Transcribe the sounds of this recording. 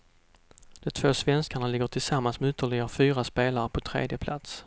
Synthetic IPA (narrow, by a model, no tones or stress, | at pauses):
d̪̥ɔmt̪ʰv̥oːsvɛnskaɳalɪɡəʈʰɪlsamːansmɛʏt̪ːəɭɪɡafyːɾaspeːlaɾəpʰɔt̪ʰɾḛːd̪jəpʰlʔa̰t̪s